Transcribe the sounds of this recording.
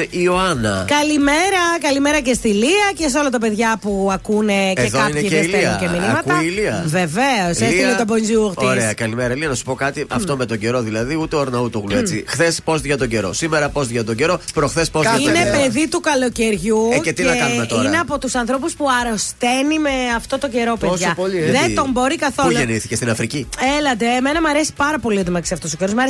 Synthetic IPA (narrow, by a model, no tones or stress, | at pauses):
ioɐnɐkɐlime̞ɾɐkɐlimeɾɐcest̪iliɐces̬o̞lɐt̪ɐpe̞ðʝɐpuɐkune̞eðoɐineçiileɐceminimɐtkuɐliɐve̞veosesinet̪obonziuɣt̪iɾesɐkɐlimeɾɐliɐnɐsu̥po̞kɐt̪iʔɐft̪o̞met̪oɲɟe̞ɾo̞ðilɐðiut̪eoɾnɐut̪uɣluet͡sixθespo̞zʝɐt̪o̞ɲɟe̞ɾo̞̰simeɾɐpo̞zʝɐt̪o̞ɲɟe̞ɾo̞pɾoxθespozinepeðit̪ukɐlo̞ce̞ɾʝuet̪inɐkɐnumet̪oineɐpo̞t̪usɐnθɾo̞puspuɐɾost̪enime̞ɐft̪o̞t̪oɟe̞ɾo̞pesʝɐoliðet̪o̞mbo̞ɾikɐθolʝeniθi̥cest̪inɐfɾicielɐd̪eːmenɐmɐɾesi̥pɐɾɐpo̞liot̪omɐksiɐft̪osoceɾozmɐɾes